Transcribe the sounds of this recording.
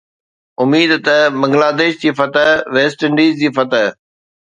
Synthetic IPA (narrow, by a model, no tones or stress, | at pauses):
ʊmiːd̪t̪ɐbɐ̃ŋɡlaːd̪eːʃd͡ʑiːfɐt̪əɦʋeːsʈəɳɖiːzd͡ʑiːfɐt̪əɦ